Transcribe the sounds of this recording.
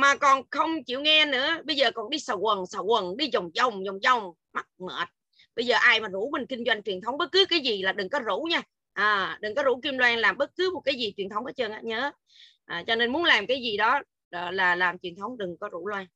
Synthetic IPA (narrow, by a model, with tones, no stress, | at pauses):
maː˨˩kɔ˨˩nxə˧wŋ͡mt͡ɕḭ˧˨wŋɛ˧nɨ̰˧˥əɓə˧jzəː˨˩kɔ˨˩nɗi˧sa˧˩wkwə˨˩nsa˧˩wkə˨˩nɗi˧zə˨˩wŋ͡mzə˨˩wŋ͡mzə˨˩wŋ͡mzə˨˩wŋ͡m | ma˦˥t̚mə̰ː˧˨˩t̚ | ɓə˧jzəː˨˩ʔaː˧jmaː˨˩zu˧˥mï˨˩ŋ̟kï˧ŋ̟zwa˧jŋ̟t͡ɕwi˨˩ənt̪ʰə˨˦wŋ͡mɓə˦˥t̚kɨ˨˦kaː˨˦jzi˨˩laː˨˩ɗɨ˨˩ŋkɔ˨˦zṵ˧˥ɲaː˧ | ʔəː˨˩ɗɨ˨˩ŋkɔ˨˦zṵ˧˥ki˧mlwaː˧nlaː˨˩mɓə˦˥t̚kɨ˨˦m˨˩t̚kaː˨˦jzi˨˩t͡ɕwi˨˩ənt̪ʰə˨˦wŋ͡mʔaː˨˦t͡ɕəː˧nʔaː˨˦ɲəː˨˦ | ʔəː˨˩t͡ɕɔ˧ne˧nmu˨˦ənlaː˨˩mkaː˨˦jzi˨˩ɗɔː˨˦˨ | laː˨˩laː˨˩mt͡ɕwi˨˩ənt̪ʰə˨˦wŋ͡mɗɨ˨˩ŋkɔ˨˦zṵ˧˩˥lwaː˧n